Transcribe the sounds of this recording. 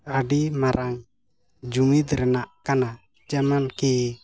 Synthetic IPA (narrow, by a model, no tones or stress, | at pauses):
adimaɾaŋ | d͡ʒuŋid̪ɾɛnaʔkana | d͡ʒamanki